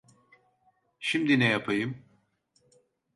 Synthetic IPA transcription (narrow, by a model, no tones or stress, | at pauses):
ʃimd̪inɛjapʰɯjɯm